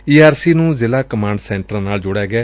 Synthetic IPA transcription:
iːaːɾsiːnũːzɪlaːkəmãːɳɖsɛ̃ːɳʈəɾnaːld͡ʒʊɽaːɡɛː

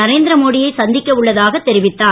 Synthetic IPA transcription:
ɐɾeːnd̪ɪɾɐmoːɽɪjɐɪsɐnd̪ɪkʲːɐɯɭːɐðaːɣɐt̪ːɛɾɪʋɪt̪ːaː

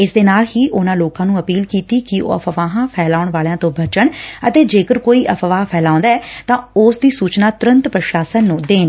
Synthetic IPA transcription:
ɪsd̪eːnaːlhiːʔʊnãːloːkãːnũːəpiːlkiːt̪iːkɪo̰ːəpʰʋaːɦãːpʰɛːlaːʊɳʋaːlejãːt̪õːbət͡ʃəɳət̪eːd͡ʒeːkəɾkoːiːʔəpʰʋaːpʰɛːlãːnd̪aːɛːt̪ãːʊːsd̪iːsuːt͡ʃnaːt̪ʊɾə̃nt̪pɾəʃaːsənːũːd̪eːn

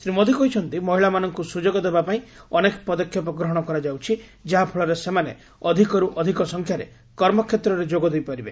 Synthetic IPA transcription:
sɾimod̪ʱikɔɦit͡ʃʰɔnt̪imɔɦiɭamanɔŋkusud͡ʒoɡɔd̪ebapaĩɔnekɔ̥pɔd̪ɔkʰjɔpɔɡɾɔɦɔɽ̃ɔkɔɾad͡ʒawt͡ʃʰid͡ʒaɦapʰɔɭɔɾesemanḛ | ɔd̪ʱikɔɾuʔɔd̪ʱikɔsɔŋkʰjaɾḛ | kɔɾmɔkʰjet̪ɾɔɾed͡ʒoɡɔd̪ejpaɾibe

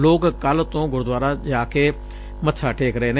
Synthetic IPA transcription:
loːkkəlt̪õːɡʊɾd̪waːɾad͡ʒaːke | mət̪ʰːʃʰaːʈʰeːkɾəɦeːne

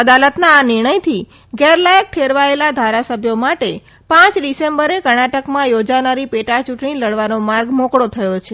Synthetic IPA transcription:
əd̪alət̪naːnɪɾɳəjt̪ʰi | ɡɛɾlajək̚ʈʰeɾʋaelad̪ʱaɾasəbʱjomaʈe | pãt͡ʃɖisembəɾekəɽ̃aʈəkmãjod͡ʒanaɾipeʈat͡ʃuʈɳiləɽʋanomaɾɡmokɽot̪ʰəjot͡ʃʰe

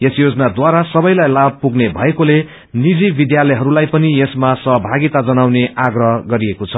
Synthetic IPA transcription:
jesjod͡zʌnad̪waɾasʌbʌjlajlab̚puɡnebʱʌekole | nid͡zibid̪jalʌjɦʌɾulajpʌnijesmasʌɦʌbʱaɡit̪ad͡zʌnawneʔaɡrʌɦʌɡʌɾiekot͡sʰʌ

